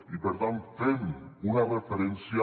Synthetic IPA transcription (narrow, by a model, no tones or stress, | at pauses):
ipeɾt̪ant̪fenunɐrefeɾensja